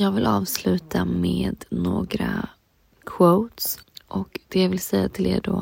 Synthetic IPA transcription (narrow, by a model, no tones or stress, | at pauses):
jɑːɡvɪlʔɑːvslʉ̟ːt̪ʰameːd̪noːɡɾa | kʰvoʊt̪sʔɔkd̪̥ɛjavɪlsɛjːat̪ʰɪlḛːɖoː